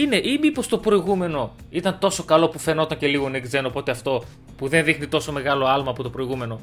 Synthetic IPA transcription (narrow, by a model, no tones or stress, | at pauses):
ine̞ʔimipo̞st̪o̞pɾo̞iɣume̞no̞ | it̪ɐnt̪o̞so̞kɐlo̞pufeno̞t̪ɐɲce̞liɣo̞neɡze̞nopo̞t̪e̞ɐft̪o̞ | puðe̞nðixnit̪o̞so̞me̞ɣɐlo̞ɐlmɐːpot̪o̞pɾo̞iɣume̞no̞